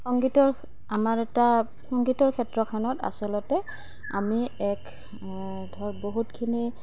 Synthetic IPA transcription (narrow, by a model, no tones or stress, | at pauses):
xɔŋɡitɔɹ | amaɹɛta | xɔŋɡitɔɹkʰɛtɹɔkʰanɔta̰sɔlɔtɛ | a̰miɛk | dʱɔɹboɦutkʰini